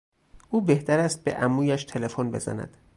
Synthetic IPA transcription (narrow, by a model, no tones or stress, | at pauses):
ʔuːbe̞ht̪æɾæst̪̚bḛʔæmuːjæʃt̪ʰe̞le̞fonbe̞̰zæ̰næ̰d̪̥